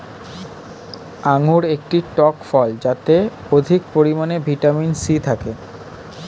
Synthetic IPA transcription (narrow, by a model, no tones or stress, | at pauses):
aŋuɾek̚ʈiʈɔkfɔld͡ʑat̪e | od̪ʱikpoɾimanebʱiʈaminsit̪ʰake